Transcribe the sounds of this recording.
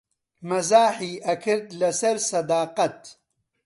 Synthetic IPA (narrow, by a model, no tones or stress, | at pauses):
mɐzaːħiːʔɐkʰɨɾd̪lɐsɐɾsɐd̪aːqɐt̪